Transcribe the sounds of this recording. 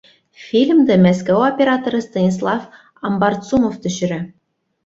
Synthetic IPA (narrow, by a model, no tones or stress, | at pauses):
fʲilʲmd̪ɘ̆mæskæopʲeɾɑt̪oɾɤ̆st̪ɑnʲis̬lˠɑf | ɑmbɑrt̪t͡sumoft̪ɵ̆ɕɘ̆ɾɘ